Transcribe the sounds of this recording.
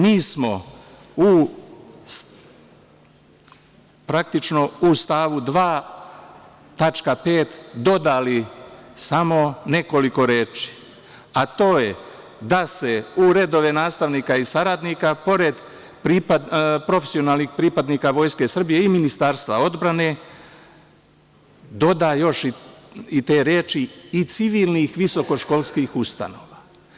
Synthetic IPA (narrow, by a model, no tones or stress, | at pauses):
miːsmo̞ | u | s | pɾak̚t̪it͡ʃno̞ust̪aːʋud̪ʋaː | t̪at͡ʃkape̞ːt̪d̪o̞d̪alisamo̞ne̞ko̞liko̞ɾe̞ːt͡ʃi̥ | at̪o̞ːje | d̪ase̞uɾe̞d̪o̞ʋe̞naːst̪aʋniːkaisaɾad̪nikapo̞ɾe̞d̪ | pɾipapɾo̞fe̥sio̞naːlˠnixpɾipad̪niːkaʋo̞ːjske̞sr̩bije̞iminist̪aːɾst̪ʋao̞d̪bɾane̞ | d̪o̞d̪ajo̞ʃ | it̪e̞ːɾjeːt͡ʃiːt̪siʋiːlˠnixʋiso̞ko̞ʃko̞lˠskiːxust̪a̰noːʋa